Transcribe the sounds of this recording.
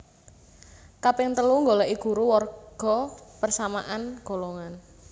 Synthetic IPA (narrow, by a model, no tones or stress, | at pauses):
kapɪŋt̪əluŋɡolɔʔiɡ̥ṳɾuwɔrɡ̥ɔ̤pərsama̰ʔanɡ̥o̤loŋan